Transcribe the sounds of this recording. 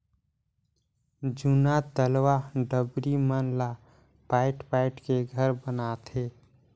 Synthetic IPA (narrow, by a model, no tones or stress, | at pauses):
d͡ʒunat̪əlwaɖəbɾimənla | paːɪʈpaːɪʈkeɡʱəɾbənat̪ʰeː